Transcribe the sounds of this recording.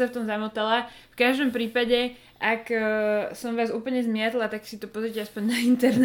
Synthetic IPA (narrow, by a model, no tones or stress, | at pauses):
ɛft̪ɔmzamɔt̪alɛ | fkaʒd̪ɔmpɾiːpaɟɛ | ʔak | sɔmʋaːzuːpl̩ɲɛzmɪɛt̪lat̪aksit̪ɔpɔzɾicɛaspɔɲnaint̪ɛɾnɛ